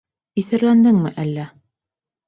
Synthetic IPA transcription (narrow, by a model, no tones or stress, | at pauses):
iθɘ̆ɾlænd̪ɘŋmɘʔælːæ